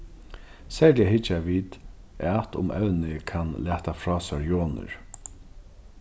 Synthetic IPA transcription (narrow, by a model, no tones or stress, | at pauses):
sɛːɹdɛɦɪt͡ʃaʋiːt̪ | at̪ʊ̰mʔɛ̰wnɪkʰanlæːht̪afɹɔːsaɹjoːnə̰ɹ